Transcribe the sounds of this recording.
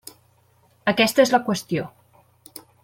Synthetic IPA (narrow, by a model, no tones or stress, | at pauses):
əkɛst̪əezləkwəst̪io